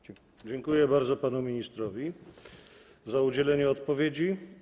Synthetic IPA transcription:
d͡ʑɛŋkujɛbaɾd̪zɔpanumʲiɲist̪ɾɔvʲi | zaud͡ʑɛlɛɲɛɔt̪pɔvʲjed͡ʑi

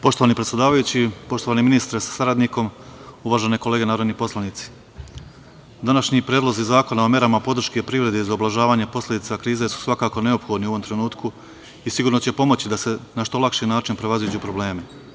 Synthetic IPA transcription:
po̞ʃt̪o̞ʋanipɾet̪ʲed̪aːʋajut͡ɕipo̞ʃt̪oaneminist̪ɾesḁsaɾad̪niko̞muʋaːʒeneko̞leɡe̞naːɾod̪nipo̞slˠanit̪si̥ | d̪anaʃɲipɾeːd̪lˠo̞zizaːko̞nao̞me̞ɾamapo̞d̪ɾ̩ʃkepɾiʋɾe̞d̪eizaoblaʒaːʋaːɲe̞po̞slʲe̞d̪it̪akɾiːzesu̥sʋakaːko̞ne̞o̞pxo̞d̪niuoʋo̞mt̪ɾe̞nuːt̪kʰu | isiɡuːɾno̞t͡ɕe̞po̞mo̞t͡ɕid̪ase̞naʃt̪o̞lˠakʃinaːt͡ʃinpɾe̞ʋazid͡ʑupɾo̞ble̞ːme

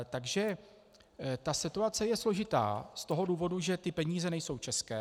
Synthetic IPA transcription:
t̪aɡʒɛ | t̪asɪt̪uat͡sɛjɛslo̞ʒɪt̪a̰ːst̪o̞ɦo̞duːvo̞duʒɛt̪ɪpɛɲiːzɛnɛjso̞wt͡ʃɛskɛː

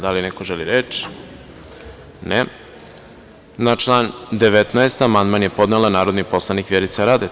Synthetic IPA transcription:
d̪alinekoʒeliɾet͡ʃi̥ | ne | nat͡ʃlˠaːnd̪eʋet̪naest̪amand̪manjepo̞d̪nelˠanaːɾo̞d̪nipo̞slˠanikʋjeɾit̪saɾaːd̪e

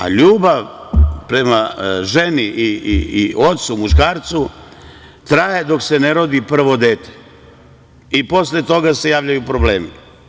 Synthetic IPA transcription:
a̰ʎuːbaʋpɾe̞maʒe̞niʔiiio̞t̪sumuʃkaːɾt̪su | t̪ɾajed̪o̞kse̞ne̞ɾo̞d̪ipr̩ʋo̞d̪eːt̪e̥ | ipo̞sle̞t̪o̞ɡase̞jaːʋʎajupɾoble̞ːmi

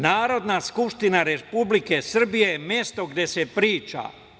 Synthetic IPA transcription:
naːɾo̞d̪naskupʃt̪inaɾepublike̞sr̩bije̞mje̞st̪o̞ɡd̪je̞se̞pɾiːt͡ʃa̰

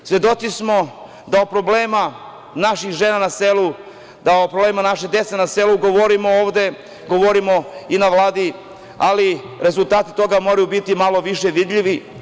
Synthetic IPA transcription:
sjed̪o̞t̪sismo̞ | d̪aopɾo̞bleːma | naʃixʒeːnanaselu | d̪aopɾobleːmanaʃed̪et̪senaseluɡoʋoɾimo̞oːʋd̪e̞ | ɡo̞ʋoɾimo̞inaʋlˠaːd̪i | ali | ɾe̞zult̪aːt̪i̥t̪o̞ɡamo̞ɾajubit̪imalˠo̞ʋiʃe̞ʋid̪ʎʲiʋi

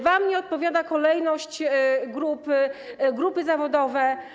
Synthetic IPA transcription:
vamɲɛɔt̪̚pɔvʲjad̪akɔlɛjnɔɕt͡ɕɡɾupɘɡɾupɘzavɔd̪ɔvɛ

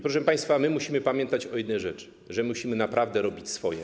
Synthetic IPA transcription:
pɾɔʂɛpaj̃st̪famɘmuɕimɘpamʲjɛ̃nt̪at͡ɕɔjɛd̪nɛjʐɛt͡ʂɘ̥ | ʐɛmuɕimɘnapɾʔavd̪ɛɾɔbʲit͡ɕsfɔjɛ̰

